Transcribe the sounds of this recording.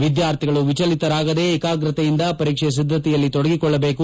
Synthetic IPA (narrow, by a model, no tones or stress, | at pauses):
ʋid̪jaːɾt̪ʰiɡɐɭuʋit͡ʃɐlit̪ɐɾaːɡɐd̪e̞ːkaːɡɾɐt̪ɐjind̪ɐpɐɾiːkʂɛjɐs̬id̪ʱːɐt̪ɛjɐlːit̪ɔɽɐɡikɔɭːɐbe̞ːku